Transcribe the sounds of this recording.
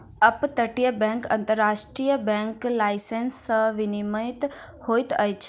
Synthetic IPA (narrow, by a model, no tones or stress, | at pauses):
əpt̪əʈijəbɛ̃ŋkə̰̃nt̪əɾːaʃʈɾijəbɛ̃ŋklaisensəʋiniməit̪ | hojt̪əjt͡ʃʰ